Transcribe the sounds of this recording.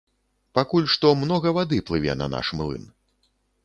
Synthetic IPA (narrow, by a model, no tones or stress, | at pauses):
pakulʲʂt̪ɔmnɔɣɐvad̪ɨplˠɨvʲɛ̰nɐ̰na̰ʂmlˠɨ̰n